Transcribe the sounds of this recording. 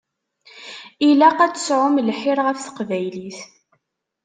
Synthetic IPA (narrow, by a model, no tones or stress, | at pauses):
ilæqæt͡sːə̥sʕʊmlħiɾʁəfθə̥qvæjliθ